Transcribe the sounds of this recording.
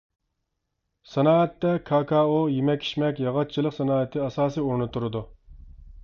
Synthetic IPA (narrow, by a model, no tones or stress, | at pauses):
sɛnɑːɛt̪ːɛkʰɑːkʰɑːojemɛkʲʰːi̥ʃmɛkʲjɑʁɑt̪̚t͡ʃʰilˠəqsɛnɑːɪt̪ʰɪɑsɑːsijuɾnut̪ʰːuɾɨd̪u